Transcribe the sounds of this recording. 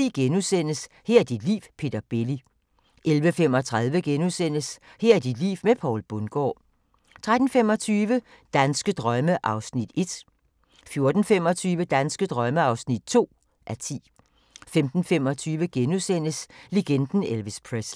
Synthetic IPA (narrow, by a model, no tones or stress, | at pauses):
iɡ̥enusen̰əs | hɛɐ̰d̥id̥lḭːʋpʰe̝̰ːd̥ɐb̥e̝li | ʔelʋəfem̰ɒ̽t͡sʰʁað̞ˠʋəɡ̥enusen̰əs | hæɐ̰d̥id̥lḭːʊmepʰɒ̰ʊlb̥ɔnɡ̥ɒ̰ː | t͡sʰʁad̥n̩femɒ̽t͡sʰyːʋə | d̥ænsɡ̥əd̥ʁɶməʔɑ̈ʊsnid̥e̝d̥ | fjo̝ɐd̥n̩femɒ̽t͡sʰyːʋəd̥ænsɡ̥əd̥ʁɶməɑ̈ʊsnid̥̚t͡sʰo̝̰ː | ʔæɐt͡sʰḭː | femd̥n̩fem̰ɒ̽t͡sʰyːʋəɡ̥enusen̰əsle̝ɡ̥end̥n̩elʋispʰʁes